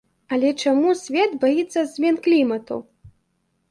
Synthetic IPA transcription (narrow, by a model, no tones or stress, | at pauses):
ɐlʲɛt͡ʂamusʲvʲɛd̪bajit̪sːɐzʲmʲɛnklʲimɐt̪ṵ